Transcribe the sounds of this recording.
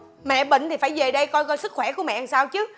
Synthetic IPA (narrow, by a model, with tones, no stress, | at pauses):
mɛ̰˧˨ɓḭ˧˨ŋ̟t̪ʰi˨˩faː˧˩jve˨˩ɗə˧jkɔ˧jkɔ˧jsɨ˦˥k̚xwɛ˧˩ku˧˩əmɛ̰˧˨˩saː˧wt͡ɕɨ˨˦